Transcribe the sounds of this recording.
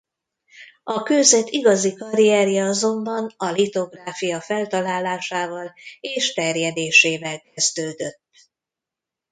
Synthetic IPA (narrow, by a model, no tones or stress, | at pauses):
ʔɒkøːzɛt̪iɡɒzikɒɾiɛrjɛɒzo̞mbɒnɒlit̪o̞ɡraːfijɒfɛlt̪ɒlaːlaːʃaːvɒleːʃt̪ɛrjɛd̪eːʃeːvɛlkɛzd̪øːd̪ø̞t̪ː